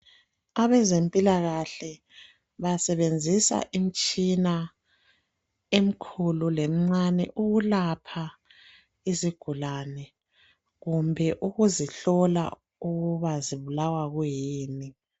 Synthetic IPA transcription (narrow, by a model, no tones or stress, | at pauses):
aβɛzempʼilaɣaɬɛ | βasɛβend͡zʱisa̰ʔim̩t͡ʃʼina | em̩kʰululem̩ŋ͡ǀanɛ̰ʔuɣulapʰa | iziɡ̥ʱulanɛ | ɣumbʱɛʔuɣuziɬɔla̰ | uɣuβaziβulawaɣwejiːni